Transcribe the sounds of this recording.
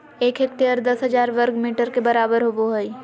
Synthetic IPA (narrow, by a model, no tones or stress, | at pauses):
eːkeːk̚ʈ̪eəɾd̪ɐsɦəd͡ʒaːɾʋəɾɡmiːʈəɾkebəɾaːbəɾɦoboɦəi